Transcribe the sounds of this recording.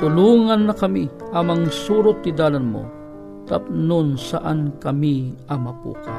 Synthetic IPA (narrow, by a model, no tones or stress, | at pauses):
t̪ʊluːŋanːɐkɐmiʔɐmɐŋsuːɾʊt̪̚nid̪aːlanmʊ̰ | t̪ap̚nʊnsaʔankɐmiɐŋmɐpṵːka